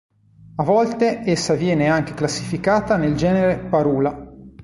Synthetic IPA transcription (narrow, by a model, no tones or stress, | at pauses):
avɔlt̪eesːavjɛːneaŋk̟e̥klasːifikaːt̪aneld͡ʒɛːneɾepaɾuːla